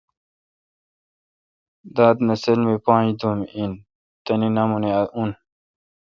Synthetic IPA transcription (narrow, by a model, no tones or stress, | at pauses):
d̪aːd̪nɐselmepãːd̪omin | t̪ɐninɐmuneɐun